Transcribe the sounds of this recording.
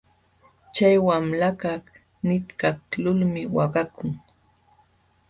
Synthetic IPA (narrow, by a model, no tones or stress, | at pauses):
t͡ʃajwamlakɑh | nɪt̪kaklʊlmɪwɑɢɑkʊŋ